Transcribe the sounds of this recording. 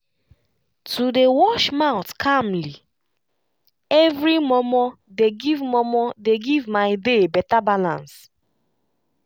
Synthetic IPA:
tʰudewɔʃmaʊtkʰamli | ɛvɾimɔmɔ | deɡivmɔmɔdeɡivmaɪdebɛtabalã̰ns

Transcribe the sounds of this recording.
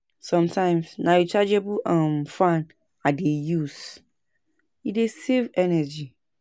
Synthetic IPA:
sɔ̃mtʰãɪ̃msnajut͡ʃad͡ʒebuʔãmfãn | adejus | idesevɛnɛd͡ʒi

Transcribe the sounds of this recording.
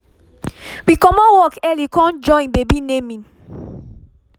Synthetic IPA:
wikɔmɔ̃wɔkɛlikɔ̃nd͡ʒɔ̃ĩbebinemĩn

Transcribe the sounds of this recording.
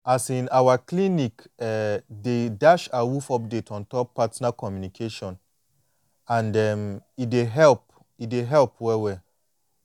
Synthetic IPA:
asĩnawakʰlĩnĩkɛdedaʃawufɔp̚detʰɔ̃ntʰɔpʰːatnakʰɔmjũnikʰeʃɔ̃n | ãndɛmideɦɛlp | ideɦɛlp̚ʰwɛwɛ

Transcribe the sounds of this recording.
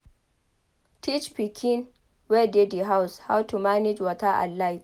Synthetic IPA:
tʰit͡ʃpikʰɪn | wɛdediɦawshawtumanɪd͡ʒwɐtaʔa̰lajt

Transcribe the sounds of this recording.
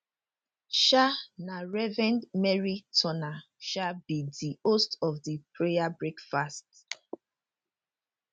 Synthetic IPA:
ʃanaɹɛvɛ̃ndmɛɹitʰɔna | ʃabidiostɔvdipʰɹejabɹekfast

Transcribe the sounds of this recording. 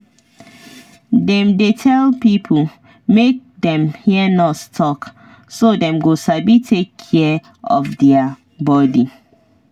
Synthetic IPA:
dɛ̃mdetʰɛlpipʰl̩ | mek̚dɛ̃mhiənɔtstʰɔk | sodɛ̃mɡosabitʰekʰːɛ | ɔ̰fdɛa | bɔdi

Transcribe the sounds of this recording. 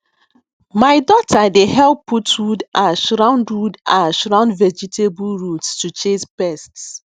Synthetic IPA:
maɪdɔtʰadehɛlˠpːuthudʔaʃɹãʊ̃ndudaʃɹãʊ̃ndvɛd͡ʒitʰebulɹutstut͡ʃẽspɛsts

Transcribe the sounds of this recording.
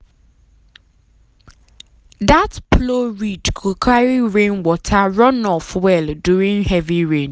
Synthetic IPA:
datploɹidkʰukʰaɹiɹẽnwɔtʰaɹɔ̃nɔfwɛlduɹĩŋhɛviɹẽn

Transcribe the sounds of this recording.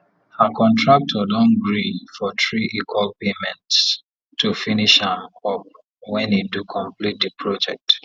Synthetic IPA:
hakʰɔ̃ntʰɹak̚tʰɔdɔ̃nɡɹidfɔtɹiʔikwɔlpemɛ̃nts | tːufiniʃhãmɔp | wɛ̃nedukʰɔ̃mplit̚dəpʰɹɔd͡ʒɛk̚t

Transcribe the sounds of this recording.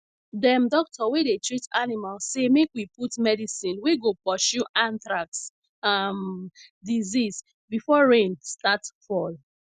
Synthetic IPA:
dɛ̃mdɔk̚tʰɔwedetɹitanimalsemekwiputmɛdisĩnweɡopɔʃuʔãntɹaks | amdizis | bifɔɹẽnstatfɔl

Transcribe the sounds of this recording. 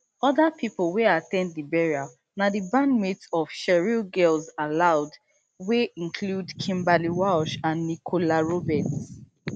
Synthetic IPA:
ɔðapʰiplˠweatɛ̃ndlibɛɹia | naðibãnmitɔv̥ʃɛɹilɡɛlzalaʊd | weĩnkʰludkʰĩmbaliwaʊʃãnːikʰolaɹobɛt

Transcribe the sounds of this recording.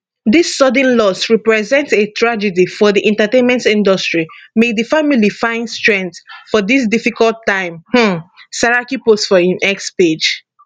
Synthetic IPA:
disːɔdə̃nlɔsɹɛpɹɛzɛ̃ntetʰɹad͡ʒɛdifɔðiʔɛ̃ntatẽnmɛ̃ntĩndɔstɹimeðəfamilifãɪ̃nstɹɛ̃nθfɔðis̬difikɔltːãɪ̃mh̩saɹakipostfɔĩnʔɛksped͡ʒ

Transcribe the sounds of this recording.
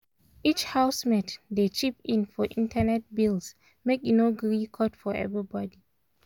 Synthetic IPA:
it͡ʃhaʊsmɛtdet͡ʃipĩnfɔʔĩntʰanɛt̚bils | meknoɡɹikʰɔtfɔɛ̰vɹibɔdi

